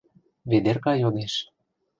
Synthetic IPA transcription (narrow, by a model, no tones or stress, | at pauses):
βed̪erkɑjod̪eʃ